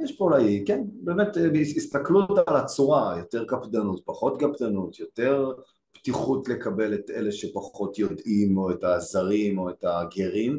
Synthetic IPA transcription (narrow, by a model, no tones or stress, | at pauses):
jeʃpolajikenbeːmetist̪akluot̪aalat͡suʁajo̞te̞ʁkapdanut̚paχo̞tɡapd̪anutjo̞te̞ʁ | b̥tiχutle̞kabe̞letele̞ʃepaχo̞tjo̞dʔimo̞etazaʁimo̞etaɡeʁim